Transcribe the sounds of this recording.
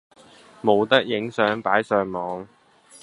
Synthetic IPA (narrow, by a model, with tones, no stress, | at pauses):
mo˨˧wt̪ɐ˥k̚jɪ˨˥ŋsœː˨˥ŋpaː˨˥jsœː˨˧ŋmɔː˨˧ŋ